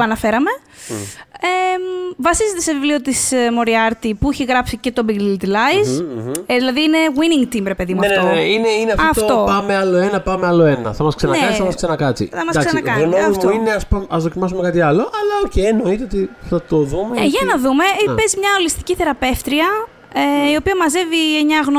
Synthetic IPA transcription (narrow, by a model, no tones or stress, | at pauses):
ɐnɐfe̞ɾɐme̞ | evɐsizet̪e̞sevivlio̞t̪ismo̞ɾiɐɾt̪ipuiçeɣɾɐpsice̞t̪o̞biɡilit̪ilɐjzðilɐðiːne̞ɣwiniŋɡt̪imbɾepe̞ðimuɐnenennneineineɐfɐft̪tot̪o̞pɐmeɐlo̞enɐpɐmeɐlo̞e̞nɐ̰θɐmɐsksenɐkeɐnɐmɐsksenɐkɐt͡sḭθɐmɐsd̪ɐkssnɐkɐɣnoɐifmt̪uineɐspɐmɐzðocimɐsumekɐt̪iɐlo̞ʔɐlɐoceno̞it̪eot̪iθɐt̪oðumeeʝɐnɐðume̞pezmɲɐolist̪i̥ciθe̞ɾɐpe̞ft̪ɾiɐ | io̞piɐmɐze̞vieɲɐɣno